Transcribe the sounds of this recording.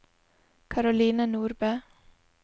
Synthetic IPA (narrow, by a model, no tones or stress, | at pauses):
kʰɑɾʊliːnənuːɾbæ